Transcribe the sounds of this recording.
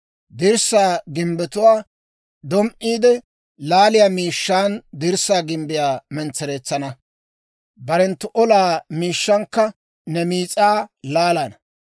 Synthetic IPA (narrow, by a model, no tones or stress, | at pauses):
d̪ɪɾsaːɡɪmbɛt̪ʊwaː | d̪ɔmʔiːd̪ɛ | laːlɪjaːmiːʃːaːnd̪ɪɾsːaːɡɪmbɪjaːmɛnt͡sːɛɾeːt͡sːɐnɐ | bɐɾɛnt̪ːʊʔɔlaːmiːʃːɐŋkːɐ | nɛmiːt͡sʼaːlaːlanɐ